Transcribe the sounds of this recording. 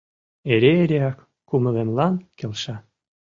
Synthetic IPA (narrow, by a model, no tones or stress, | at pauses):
eɾeːɾeɑkːumɤ̆lemlɑnkelʃɑ